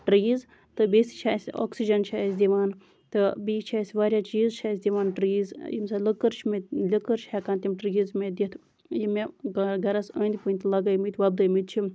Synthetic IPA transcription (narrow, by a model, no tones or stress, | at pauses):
ʈɾiːz | t̪ɨbesi̥t͡ʃʰaːsʲo̰ːksid͡ʒɐnt͡ʃʰaːsʲd̪ʲiʋaːn | t̪ɨbiːt͡ʃt͡ʃʰaːsʲʋaːɾʲjaːt͡ʃiːzt͡ʃʰaːsʲd̪iʋaːnʈɾiːzjimsaləkəɾt͡ʃʰmet̪lʲikəɨɾt͡ʃʰhɛkãːnt̪ʲimʈɾiːzmed̪ʲit̪ʰ | jimeɡɐɾɐsə̰ːnd̪ipɨnʲt̪lɐɡɐjmit̪ʰʲʋɐb̚d̪ɨjmit̪̚t͡ʃʰi